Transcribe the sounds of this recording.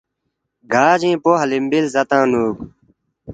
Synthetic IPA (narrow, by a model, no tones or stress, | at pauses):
ɡʱaːd͡ʑĩːpoːɦɐlimbilzɐt̪ãːnuːk